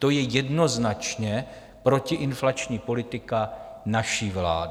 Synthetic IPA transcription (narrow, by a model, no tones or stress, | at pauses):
t̪o̞jɛjɛdno̞znat͡ʃɲɛ | pɾo̞cɪʔɪnflat͡ʃɲiːpo̞lɪt̪ɪkanaʃiːvla̰ːd